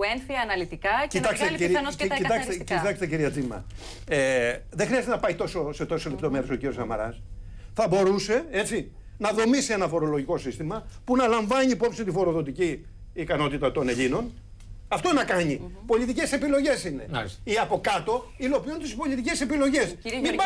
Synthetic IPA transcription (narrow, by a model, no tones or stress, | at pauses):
enθiɐnɐlit̪ikɐcit̪ɐkseiɾiit̪ɐkssit̪ɐkst̪eciɾiɐt͡simɐ̰ | eðexɾiɐzt̪enɐpɐit̪o̞so̞se̞t̪o̞sole̞p̚t̪o̞me̞ɾe̞so̞ciɾiosɐmɐ̰ɾɐ̰s | θɐbo̞ɾuse̞e̞t͡si | nɐðo̞misie̞nɐfo̞ɾo̞lo̞ʝiko̞sist̪imɐpunɐlɐɱvɐɲiːpo̞psint̪ifo̞ɾo̞ðo̞t̪iciː | kɐno̞t̪it̪ɐt̪o̞ne̞ʎino̞n | ɐft̪o̞nɐkɐɲipo̞ʎit̪ice̞se̞pilo̞ʝe̞sine̞̰iɐpo̞kɐt̪o̞ | ilo̞piunt̪ispo̞ʎit̪ice̞se̞pilo̞ʝe̞smib